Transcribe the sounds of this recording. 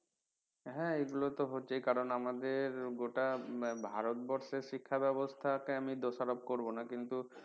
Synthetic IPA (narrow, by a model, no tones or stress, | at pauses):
ɦɛeɡulot̪oɦot̪ːejkaɾonamad̪eɾɡoʈabʱaɾot̪̚bɔɾʃeɾʃikʰːabɛbost̪ʰakeamid̪oʃaɾob̚koɾbonakint̪u